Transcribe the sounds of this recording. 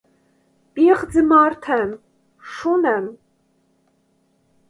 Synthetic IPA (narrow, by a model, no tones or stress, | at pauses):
pʼiχd͡zɨmaːrtʰan | ʂunan